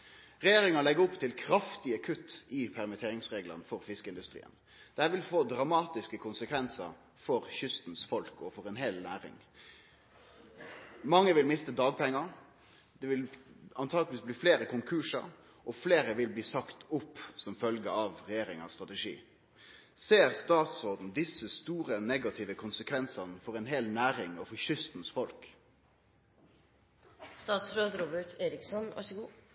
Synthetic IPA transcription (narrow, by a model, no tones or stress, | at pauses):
ʁɛjeːɾɪŋɑlɛɡːəʊpt̪ʰɪlkʰɾɑft̪ɪəkʰʉt̪ːɪpʰæʁmət̪ʰeːɾɪŋsʁeːɡlɑ̰nəfɔʁfɪskəɪnd̪ʉst̪ʁḭːə̰n | d̪̥ɛhæːʋɪlfoːd̪ɾɑmɑːt̪ɪskəkʰʊnsəkʰʋɛnsə̰ɾ | fɔɾçʏst̪n̩sfɔlkɔfɔɾɛnɦɛːlnæːɾɪ̰ŋ | mɑŋːəʋɪlmɪst̪əd̪ɑːɡ̚pʰɛŋːɑ | d̪ɛʋɪlɑnt̪ʰɑːɡ̪ʋiːsbliːfleːɾəkʊŋkʰʉːʂɑ̰ɾ | ʔɔfleːɾəʋɪlbliːsɑkt̪ʊpːsɔmfœlɡəɑʋʁɛjeːɾɪŋɑ̰st̪ʁɑt̪ɛʂḭː | seːʁst̪ɑːt̪sɔʁd̪n̩d̪ɪsːəst̪uːʁənɛɡɑt̪ʰɪʋəkʰʊnsəkʰʋɛnsɑnəfɔʁɛnɦɛlnæːɾɪŋɔfɔçʏst̪n̩sfɔlk | st̪ɑːt̪sɾoːd̪ɾoːbəʈeːɾɪksɔnʋʔɑ̰ʂəɡuː